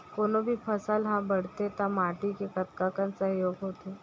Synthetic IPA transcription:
konobʱiːpʰəsalɦãbəɽ̤t̪et̪amaʈikekət̪kakãnt͡sajoɡɦot̪e

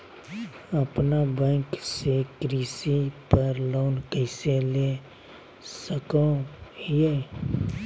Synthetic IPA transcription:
əpnabɛ̃ːŋksekɾiːsipəɾloːnkəɪsele | səkõhie

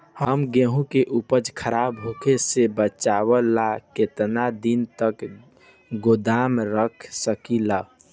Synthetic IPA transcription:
həmɡẽɦũkeʔupəd͡ʒkʰəɾabɦokʰesebət͡ʃawəlaket̪nad̪int̪ək | ɡod̪amɾəkʰsəkila

